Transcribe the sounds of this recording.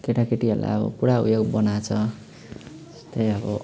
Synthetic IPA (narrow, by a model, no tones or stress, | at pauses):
keʈakeʈiɦʌla̰jʌbʌ̰puɽaṵjoɡbʌnat͡sʰʌ | tʌ̥st̪ʌjʌbʌ̰